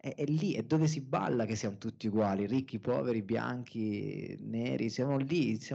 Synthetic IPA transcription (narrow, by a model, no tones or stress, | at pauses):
ɛʔɛlːiʔɛd̪ːoːves̬iba̰lːak̟esːiamot̪ut̪ːiuɡwaːlirikːipɔ̰ːveɾibja̰ŋkʰinḛːɾʔisjamolisja